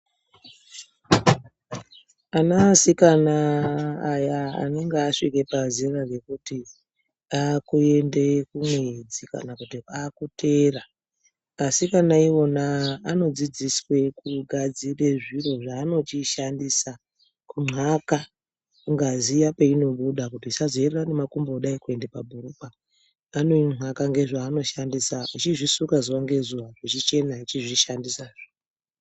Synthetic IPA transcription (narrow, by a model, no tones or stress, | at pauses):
anasikanaː | jaa̰ne̞ŋɡeaʂike̞paziraɡe̞kuti | akue̞ndekumwed͡zika̰nakutiakutʰe̞ːra | asikanaiwo̞naːno̞d͡zid͡ziswe̞kuɡʱad͡zire̞ʐiro̞ʐaːno̞t͡ʃiʃandisa | kuŋ͡ǀʱaka | kuŋɡazijape̞ino̞ɓuɗakutiːsazoererane̞makumbeːɗaikue̞ndepabʱurupaː | no̞iŋ͡ǁʱakaŋɡe̞ʐaːno̞ʃandisait͡ʃiʐisukazuwaŋɡe̞zuwaʐit͡ʃit͡ʃe̞nait͡ʃiʐiʃandisaʐo